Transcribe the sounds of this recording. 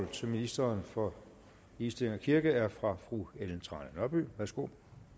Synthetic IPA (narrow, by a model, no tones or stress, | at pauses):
lt͡sʰe̝lminisd̥ɐːnfɒ̽ | isd̥eleŋɒkʰiɐɡ̥əæɐfʁɑ̈fʁueln̩t͡sʰʁɑ̈ːnənœɐb̥y̰ːʋæɐsɡ̥o̝̰